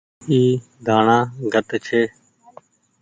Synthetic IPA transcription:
iː | d̪ʱaːɳãːɡʱət̪t͡ʃʰeː

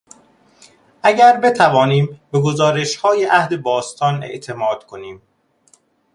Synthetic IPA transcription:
ʔæɟæɾbe̞t̪ʰævɒːniːmbe̞ɡo̞zɒːɾe̞ʃhɒːjeʔæhd̪e̞bɒːst̪ʰɒːnḛʔt̪ʰe̞mɒːd̪̥kʰo̞niːm

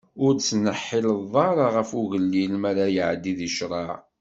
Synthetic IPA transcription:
ʊɾt͡sːnəħːɪləðˤɑɾˤɑʁəfuʝəlːilmaɾajəʕd̪iðiʃɾˤɑʕ

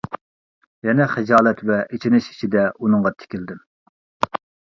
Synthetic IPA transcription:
jɛnɛχɛd͡ʒɑːlˠɛt̪vɛʔet͡ʃʰinɪʃi̥ʃʰid̪ɛunɨŋʁɑt̪ʰɪ̥kʲild̪ɪm

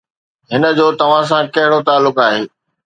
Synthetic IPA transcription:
ɦɪnə̆d͡ʑoːt̪ɐʋ̤ãs̬ãkɐɦɪɽot̪aːlːʊkaːɦeː

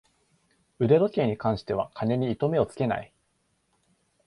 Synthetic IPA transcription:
ɯ̟ɾe̞ɾo̞k̪ʲe̞ːɲ̟ikãɰ̃ɕi̥t̪e̞β̞a̰kʰane̞ɲ̟iːt̪o̞me̞o̞t͡sɨ̥ke̞na̰i

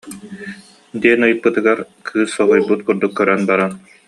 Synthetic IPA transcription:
d̪iɛnɯjɯpːɯt̪ɯɡaɾ | kʰɯːsːɔɦɔjbut̪̚kuɾd̪ukːœɾœnbaɾan

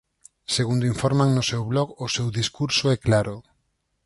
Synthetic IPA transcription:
seɣund̪oiɱfɔɾmaŋnʊsewβlɔɣʊsewðiskuɾsoɛklaɾʊ

